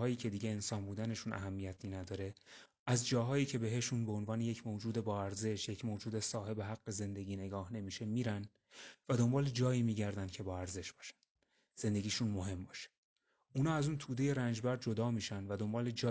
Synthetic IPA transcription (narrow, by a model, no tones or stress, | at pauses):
jiːcʰe̞d̪iːɟe̞ːnsɒːnbuːd̪æne̞ʃunʔæ̰ɦæmːijæt̪ʰinæd̪ɒːɾe̞ | æzd͡ʒɒːɦɒːjiːcʰe̞be̞ɦe̞ʃunbeonvɒːne̞jecʰmod͡ʒuːd̪e̞bɒːæɾze̞ʃje̞cʰmod͡ʒuːd̪e̞sɒːɦe̞beɦæɡːe̞ze̞nd̪e̞ɟiːne̞ɡɒːhne̞miːʃe̞miːɾæn | væd̪o̞mbɒːle̞d͡ʒɒːjiːmiːɟæɾd̪ænd̪̚cʰe̞bɒːæɾze̞ʃb̥ɒːʃæ̥n | z̥e̞nd̪e̞ɡʲiːʃunmo̞ɦe̞mbɒːʃe̥ | uːnɒːæzuːnt̪ʰuːd̪e̞je̞ɾænd͡ʒbæɾd̪d͡ʒo̞d̪ɒːmiːʃænvæd̪o̞mbɒːle̞d͡ʒɒː